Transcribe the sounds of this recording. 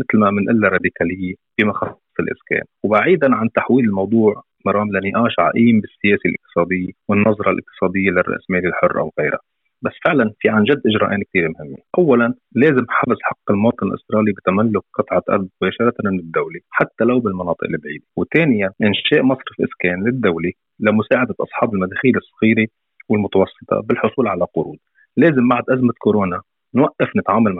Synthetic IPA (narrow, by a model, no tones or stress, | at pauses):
mɪt̪lmamɪnʔɪlːaɾˤɑd̪ɪkaːlɪjːebimɑxɑsˤːɑ̥sˤɪlʔɪ̰skḛːnwbaʕiːd̪anʕant̪aħwiːlɪlmɑwd̪ˤuːʕ | mɑɾˤɑːmlanɪʔaːʃʕa̰ʔiːmbɪsːɪjeːsilʔɪq̚t̪ɨ̥sˤɑːd̪ɪjːawɪnːɑzˤɾˤɑlʔɪ̰q̚t̪ɨ̥sˤɑːd̪ɪjːalɪrːɑ̰ʔsmeːlilħʊrːʔa̰wɣeːɾa̰ | basːfɪʕlanfiʕanʒad̪ːʔɪʒɾɑ̰ʔeːnkt̪iːɾmhɪmːḛʔawːalan | leːzɪmħafɪzħɑqːɪlmoːt̪ˤɨnɪlʔɪ̰st̪ɾˤɑːlibɪt̪amalːʊk̚qɨt̪ˤʕaʔɑ̰ɾˤd̪̚mʊbeːʃɑɾˤɑt̪namɪnɪd̪ːawliħat̪ːalawbɪlmɑnɑːt̪ˤɨʔɪlibʕiːd̪iwt̪eːnɪjanʔɪnʃeːʔmɑsˤɾɪfʔɪ̰skeːnlɪd̪ːawli | lamʊsaːʕad̪aʔɑ̰sˤħɑːbɪlmad̪eːxiːlɨsˤːɑɣiːɾi | wɪlmʊt̪ɑwɑsˤːɨ̥t̪ˤʰɑ̰bɪlħʊsˤuːlʕalaqʊɾṵːd̪ | leːzɪmbaʕd̪ʔazmakoɾoːna | nwaʔːɪfnɪt̪ʕaːmalm